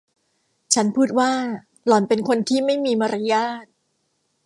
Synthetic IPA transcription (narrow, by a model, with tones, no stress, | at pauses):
t͡ɕʰa˦˥npʰuː˥˩t̪̚waː˥˩ | lɔː˨˩npe˧nkʰo˧nt̪ʰiː˥˩ma˥˩jmiː˧ma˧ɾa˦˥jaː˥˩t̪̚